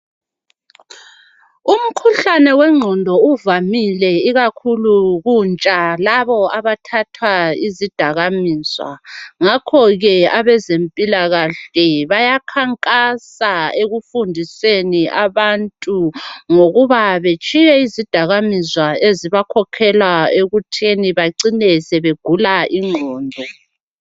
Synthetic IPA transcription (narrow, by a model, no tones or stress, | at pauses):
um̩kʰuɬanɛwɛŋ͡ǀʱɔndʱɔuvamilɛiɣakʰuluɣunt͡ʃʼalaβɔaβatʰatʰwaizid̥ʱaɣamiːz̥wa̰ŋakʰɔɣɛaβɛzempʼilaɣaɬɛβajakʰaŋkʼasaeɣufundʱiseniʔaβantʼuŋoɣuβaβet͡ʃʼijɛizid̥ʱaɣamizwaeziβakʰɔkʰɛlwaeɣutʰeniβaǀinɛsɛβeɡ̥ʱulaʔiŋ͡ǃʱɔːndʱɔ